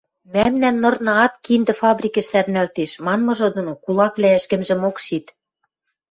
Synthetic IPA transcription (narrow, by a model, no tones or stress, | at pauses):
mæmnænːɤ̆rnɤ̆ɑt̪kind̪ɘ̆fɑbrʲikĕʃsærnælt̪eʃmɑnmɤ̆ʒɤ̆d̪onokulɑkβlæɘ̆ʃkɘ̆mʒɘ̆mokʃit̪